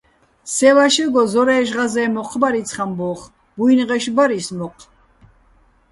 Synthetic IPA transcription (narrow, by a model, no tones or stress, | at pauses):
sɛlaʃɛɡɔzɔɾɛːʒʁazɛːmɔqʰbaɾit͡sʰχambɔχ | bujnʁɛʃbaɾismɔqʼʰ